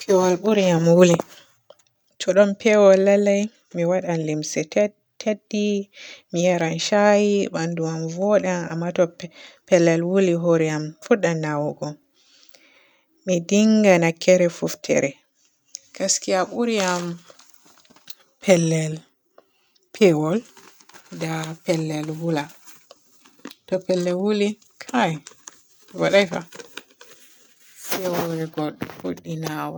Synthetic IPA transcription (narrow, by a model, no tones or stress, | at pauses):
pʰɛwɔlɓuɾijamwuli | tʰɔɗɔmpɛwɔlːalːaj | miwaɗanlimsɛ | tʰedːimijɛɾanʃajiɓanduwanvɔɗana̰mːatɔpɛlːɛlwuliɦoɾiamfuɗanːawɡɔ | midiŋɡanakːɛɾɛfuftʰɛ̰ɾɛ | kaskiaʔuɾiam | pʰɛlːɛl | pʰɛwɔl | dapɛlːɛlwula | tɔpɛlːɛlwuli | kʰaj | waɗajfa̰ | sɛwɔɾɛɡɔɗɔhoɗːinawɔ